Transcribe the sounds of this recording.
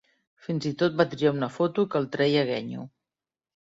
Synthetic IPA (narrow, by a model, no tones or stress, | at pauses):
finzit̪ot̪̚bat̪ɾiaunəfot̪ukəlˠt̪ɾɛjəɣɛɲṵ